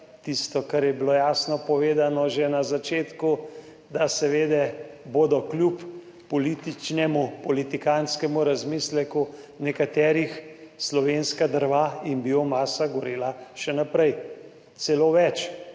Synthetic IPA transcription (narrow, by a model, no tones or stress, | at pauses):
t̪ist̪ɔkaɾjɛbiloːjaːsnɔpɔʋeːd̪anɔʒɛnazat͡ʃeːt̪ku | d̪asɛʋeːd̪ɛboːd̪ɔklʲjupː | ɔlit̪it͡ʃnɛmupɔlit̪ikanskɛmuɾazmiːslɛku | nɛkat̪ɛːɾixslɔʋenskad̪əɾʋaimbiomaːsaɡɔɾeːlaʃɛnapɾɛj | t̪sɛloːʋɛt͡ʃ